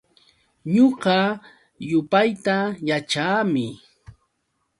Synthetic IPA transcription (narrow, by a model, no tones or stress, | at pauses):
ɲoɢɑ | jʊpajt̪ajat͡ʃaːmɪ